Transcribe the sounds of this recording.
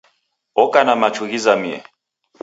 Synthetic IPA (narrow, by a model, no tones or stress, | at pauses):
ɔkanamat͡ʃuɣizamiɛ̰